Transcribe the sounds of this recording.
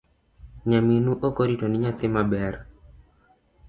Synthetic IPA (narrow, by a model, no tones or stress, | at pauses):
ɲaminuʔokoɾitoniɲat̪ɪmabɛr